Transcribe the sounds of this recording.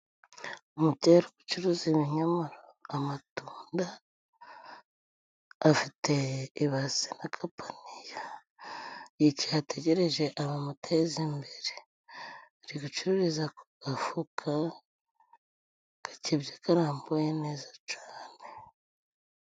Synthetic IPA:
umuceɾiɡu̥t͡ʃuɾuzimiɲamaɾoamatuːnda | fiteiβazinakʰapʰanija | jiciateɟe̞ɾe̞ʒe̞ʔaβamutʰezimbeɾe | ɾiɡut͡ʃuɾuɾizakoɡafukʰa | kḁcibjakaɾaːmbojene̞ːzat͡ʃaːne

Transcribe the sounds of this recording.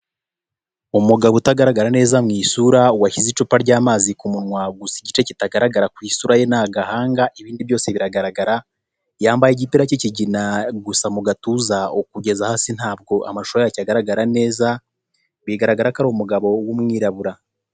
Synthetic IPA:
umuɡaβotaɡaɾaɡaɾane̞ːzamŋiːsuɾauwaçizit͡ʃupaɾɟaːmaːzikumunwaɡusiɟit͡ʃecitaɡaɾaɡaɾakwiːsuɾaje̞naɡahaːŋɡaʔiβiːndiβjo̞ːseβiɾaɡaɾaɡaɾa | jaːmbajeɟipiɾaciciɟinaɡusamuɡatuzaokuɟe̞zahaːsin̥haːb̚ɡo̞ʔa̰maʃoajacaɡaɾaɡaɾane̞ːza | βiɡaɾaɡaɾakaɾomuɡaβo̞womŋiːɾaβuɾa

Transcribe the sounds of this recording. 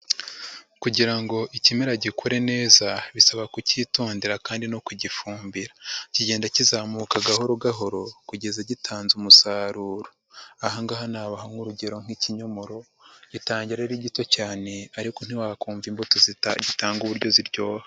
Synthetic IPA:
kuɟiɾaŋɡo̞ʔicimeɾaɟikʰoɾe̞ne̞ːzaβisaβakuciːtuːndiɾakaːndino̞kuɟifuːmbiɾaciɟe̞ːndacizaːmukaɡahoɾoɡaɦo̞ɾo̞kuɟe̞zaɟitʰaːnzumusaːɾuːɾo | aɦaŋɡaɦanaːβahaŋuɾuɟe̞ɾo̞ŋ̥hiciɲomoɾo̞ | ɟ̥itaːɲɟiɾaɾiɟito̞caːne̞aɾikon̥iwakuːɱvimbotozita̰ɟitaːŋɡuβuɾɟo̞ziɾɟo̞ːha

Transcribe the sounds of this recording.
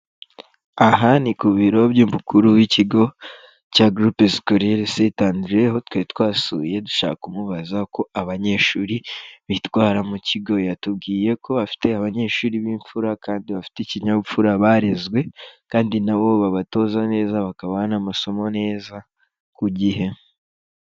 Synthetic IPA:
aɦanikuβiɾo̞βjuːmbukuɾuwiciɡo̞ | caɡɾupeskoɾeɾesetaːnduɾeho̞twetwaːsṵje̞du̥ʃa̰ːkumuβazako̞aβaɲe̞ːʃuːɾiβitwaːɾamuciɡo̞jatubɡiːje̞kʰo̞βafi̥te̞aβaɲe̞ʃuːɾiβiːɱfuɾakaːndiβafi̥ticiɲaβufuɾaβaɾezɡwe̞kaːndinaβo̞βaβato̞ːzane̞ːzaβakaβaanamaso̞mo̞ne̞ːza | kuɟiɦe̞

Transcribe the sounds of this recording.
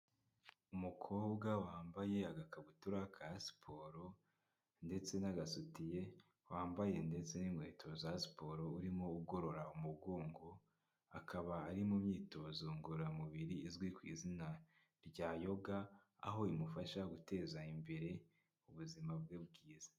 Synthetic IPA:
umukʰo̞ːbɡawaːmbaje̞aɡakaβutuɾakʰaasi̥pʰo̞ɾo̞ | nde̞t͡se̞naɡasutije̞ | waːmbaje̞nde̞t͡se̞nimŋe̞ːtʰo̞zasi̥po̞ɾo̞uɾimouɡo̞ɾo̞ɾaumuɡo̞ːŋɡo̞ | akʰaβaːɾimumɲiːto̞zoŋɡuɾamuβiɾiːzɡwikwiːzina | ɾɟaːjo̞ɡa | a̰ɦo̞imufaʃaɡute̞ːzaimbe̞ɾe̞ | uβuzimabɡeb̚ɡiːzḁ

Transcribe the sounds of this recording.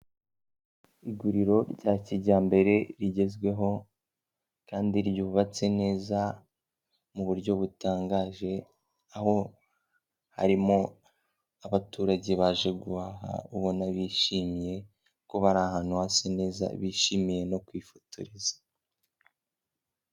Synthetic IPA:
iɡuɾiɾo̞ɾɟaciɟaːmbe̞ɾe̞ɾiɟe̞zɡwe̞ɦo̞ | kaːndiɾɟuβuβat͡se̞ne̞ːza | muβuɾɟo̞βutaːŋɡaːʒe̞ | aho̞ | ha̰ɾimo̞ | aβatuːɾaɟe̞βaːʒe̞ɡuβaɦa̰uβonaβiːʃimije̞ | ko̞βaɾaːɦaːn̥huhasene̞ːza̰βiːʃimije̞no̞kwiːfo̥tuɾizḁ

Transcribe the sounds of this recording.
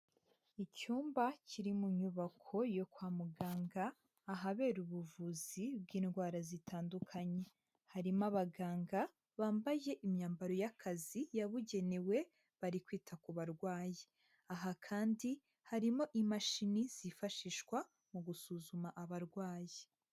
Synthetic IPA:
icuːmbaciɾimuɲuβakʰo̞jo̞kwaːmuɡaːŋɡaː | ɦaβe̞ːɾuβuvuzibɡiːnɡwaːɾazitʰaːndukʰaɲe̞ | haɾimaβaɡaːŋɡa | βaːmbaje̞ʔimɲaːmbaɾo̞jakʰazijaβuɟe̞newe̞ | βaɾikwiːtʰakuβaɾɡwaːje | aɦakʰaːndi | haɾimo̞ʔimaʃiniz̥ifaʃiʃwa | muɡusuzumaʔaβaɾɡwaːje

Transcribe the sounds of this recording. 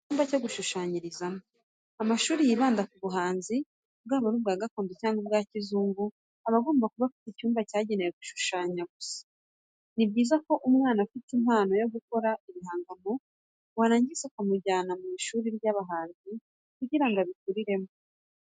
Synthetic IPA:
uːmbacoɡuʃuʃaːɲiɾizamo | amaʃuːɾijiβaːndakuβuɦaːnzi | bɡaːβaɾub̚ɡaːɡakoːndecaːŋɡobɡaːcizuːŋɡu | aβaɡo̞ːmbakuβafiticuːmbacaːɟe̞nejeɡuʃu̥ʃaːɲaɡusḁ | nibɟiːzako̞ʔumŋaːnafitimhaːno̞jo̞ɡuko̞ɾaʔimihaːŋɡamo̞ | waɾaːɲɟizekumuɟaːnamiʃuːɾiɾɟaβaɦaːnzi | kuɟiɾaŋɡaβikuɾiɾe̞mo

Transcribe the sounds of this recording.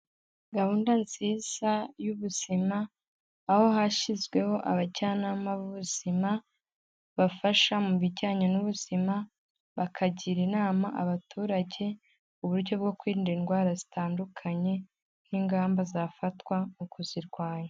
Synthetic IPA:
ɡahuːndant͡siz̥ajuβuz̥imaː | ho̞ɦaʃizɡwe̞ho̞ʔaβaɟaːnaːmaβuβuz̥ima | βafaʃamuβiɟaːɲanuβuz̥ima | βakʰaɟiɾinaːmaʔaβatuːɾaɟe̞ | uβuɾɟo̞b̚ɡo̞kwiːndiinɡwaːɾazitaːndukʰaɲe̞ | niːŋɡaːmbazafatwamukuziɾɡwaːjo

